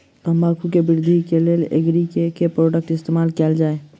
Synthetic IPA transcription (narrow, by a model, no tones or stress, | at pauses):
t̪omaɾkʰukebɪɾd̪ʱikeleːlḛɡɾikekepɾoːɖək̚ʈɪst̪eːmaːlkeːld͡ʒaːe